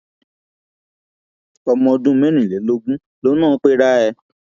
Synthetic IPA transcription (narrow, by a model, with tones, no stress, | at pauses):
ɔ˧mɔ̃˧dũ˦mɛ̃˦nĩ˨le˨˦lo˦ɡũ˦ | lo˦nãː˦˨˦k͡pe˦ɾa˦ɛ˧